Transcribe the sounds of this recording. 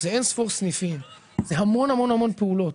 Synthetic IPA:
zeensfoʁsnifim | zeɦamo̞nhamo̞nhamo̞npeulo̞t

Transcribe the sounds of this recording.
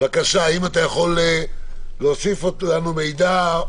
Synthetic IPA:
vakaʃaːimat̪ajaχo̞leleosifolanume̞jd̪a

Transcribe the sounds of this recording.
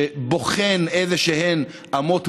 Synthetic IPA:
boχenezeʃehen | ʔamot̪

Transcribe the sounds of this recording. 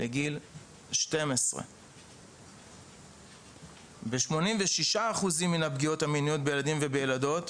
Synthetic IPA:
lʔeɡil | ʃte̞mesʁḛ | be̞ʃmo̞nimveʃiʃaːχuzimːinabɡio̞thaminijo̞t̚bejeladimvebejelado̞t

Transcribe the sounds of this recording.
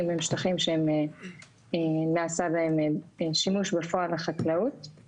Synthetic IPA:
memiʃtaχimʃeeme | enaːsabaemʃimuʃbefoaleχaklaut

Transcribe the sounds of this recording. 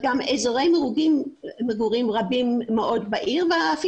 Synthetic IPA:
ɡamezoʁejmeʁuɡimːeɡuʁimʁabimːeʔo̞d̪baʔiʁveaːfi

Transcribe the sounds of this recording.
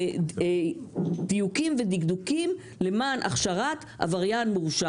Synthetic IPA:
d̪ijukimved̪iɡd̪ukim | lemaːnʔa̰χʃaʁat̪ʔa̰vaʁjanmuʁuʃa

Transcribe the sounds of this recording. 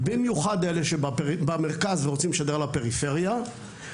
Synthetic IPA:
bimjuχad̪eleʃebaeibameʁkazveʁot͡simleʃad̪eʁlape̞ʁife̞ʁja

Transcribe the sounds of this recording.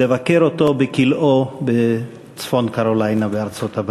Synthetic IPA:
evakeʁot̪o̞bekilobe | t͡sfo̞nkaʁolajnabeaʁt͡so̞t̪ab

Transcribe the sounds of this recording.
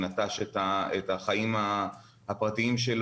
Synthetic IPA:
nat̪aʃetaetaχaima | hapʁatiimʃel

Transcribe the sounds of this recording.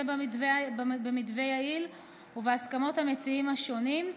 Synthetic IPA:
ebivebemidve̞jail | uveaskamo̞thame̞t͡siimhaʃo̞nim

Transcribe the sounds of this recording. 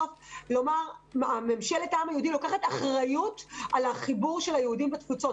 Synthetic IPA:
flo̞maʁamemʃeletaamajeud̪ilo̞kaχataχʁajutʔalaχibuʁʃelhajehudimbet̪fut͡so̞t

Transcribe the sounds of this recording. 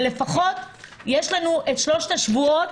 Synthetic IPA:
le̞faχo̞t | jeʃlanuʔetʃlo̞ʃt̪aʃvuot

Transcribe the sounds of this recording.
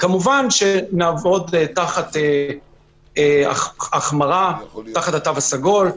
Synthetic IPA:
kamuvanʃe̞naːvo̞d̪taχat̪e | ea̰aχmaʁat̪aχat̪atavasaɡo̞l

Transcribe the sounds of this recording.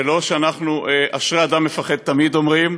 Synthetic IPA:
lo̞ʃeanaχnueʔaʃʁead̪amːefaχed̪̚t̪amid̪o̞mʁim

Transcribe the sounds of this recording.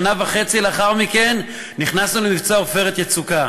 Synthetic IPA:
navaχe̞t͡sileaχaʁmike̞nː | iχnasnulemivt͡soaofe̞ʁet̪jet͡suka

